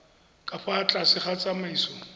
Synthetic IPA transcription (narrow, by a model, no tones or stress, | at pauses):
kʼafat͡ɬʼasɪχat͡sʼamaisɔ